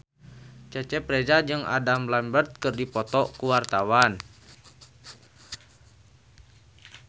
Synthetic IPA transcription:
t͡ʃɛt͡ʃɛpɾɛd͡ʒad͡ʒɨŋa̰damlambərt̪̚kɨrdipɔt̪ɔkuwart̪awan

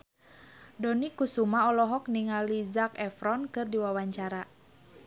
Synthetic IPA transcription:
dɔnikusumaɔlɔɦɔk̚niŋalizakɛfɾɔnkɨrdiwawaɲt͡ʃaɾa

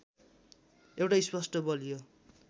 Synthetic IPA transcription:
ewʈajspʌsʈʌbʌlijo

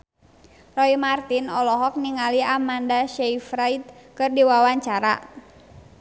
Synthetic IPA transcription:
rɔimart̪inɔlɔɦɔk̚niŋaliamandaʃɛifɾait̪̚kɨrdiwawaɲt͡ʃaɾa̰

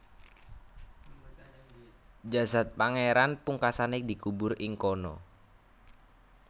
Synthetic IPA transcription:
d͡ʒasat̪̚paŋeɾanpuŋkasanedi̤kubʊrɪŋkɔnɔ̰

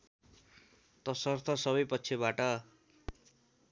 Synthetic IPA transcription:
t̪ʌsʌrt̪ʰʌsʌβʌjpʌtːsʰebaʈʌ

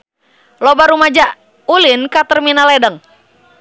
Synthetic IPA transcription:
lɔbaɾumad͡ʒa | ulinkat̪ərminalɛdəŋ

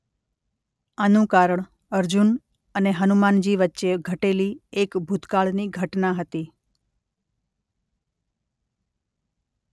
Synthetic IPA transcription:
anũkaɾəɳ | əɾd͡ʒun | əneɦənumand͡ʒiʋətːʃeɡʱəʈeliekbʱut̪kaɭniɡʱəʈnaɦət̪i

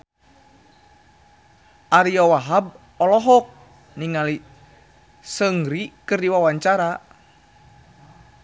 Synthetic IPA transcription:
ʔaɾiɔwaɦab̚ | ɔlɔɦɔk̚ | niŋali | səŋɾikɨrdiwawaɲt͡ʃaɾa

